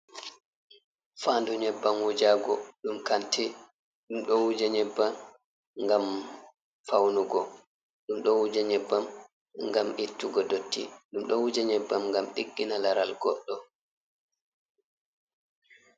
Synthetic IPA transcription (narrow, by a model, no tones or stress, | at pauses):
faːndɔɲɛbːamwud͡ʒaɡɔɗumkantʰɛ | ɗumɗɔwud͡ʒaɲɛbːa | ŋɡam | fawnuɡɔ | ɗumɗɔwud͡ʒaɲɛbːam | ŋɡamʔitːuɡɔdotːḭɗumɗɔwud͡ʒaɲɛbːamŋɡamɗiɡːinalaɾalɡɔɗːɔ